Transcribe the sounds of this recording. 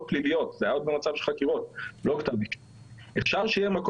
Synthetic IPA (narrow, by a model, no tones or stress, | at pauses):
t̚plilijo̞t̪zeajaod̪̚bemat͡sav̥ʃelχakiʁot̪̚lo̞ktabiʃ | efʃaʁʃejemak